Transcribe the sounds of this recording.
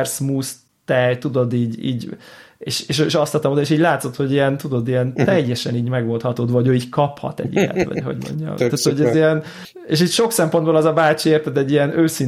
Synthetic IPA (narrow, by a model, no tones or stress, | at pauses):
rsmuːs | t̪ɛjt̪ud̪o̞d̪iːɟḭːɟḛːʃeːʃøʃɒst̪ɒt̪ːɒmod̪eʃiːɟʲlaːt̪so̞t̪ho̞ɟijɛnt̪ud̪o̞d̪ijɛnt̪ɛjːɛʃɛniːɟmɛɡʋo̞lt̪hɒt̪oːd̪vɒɟøːiːckɒphɒ̰t̪ɛ̰ɟḭɛ̰t̪ʋɒ̰ɟho̞̰ɟmo̰ɲɟɒ̰mt̪ːaːt̪hoɟɛziɛn | eːʃiːcʃo̞ksɛmpond̪bolɛzɒbaːt͡ʃieːrt̪ɛt̪ɛɟːijɛnøːsin